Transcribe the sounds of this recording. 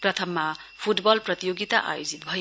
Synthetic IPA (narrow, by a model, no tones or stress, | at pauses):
pɾɐt̪ʰɐmːa | pʰuʈbɔlpɾɐt̪ijoɡit̪aʔa̰jod͡ʒit̪̚bʱʌj